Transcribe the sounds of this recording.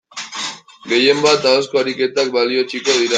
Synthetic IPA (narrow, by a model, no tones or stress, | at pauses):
ɡe̞je̞mbat̪aoskoaɾike̞t̪ak̚balio̞t͡ʃiko̞ðiɾa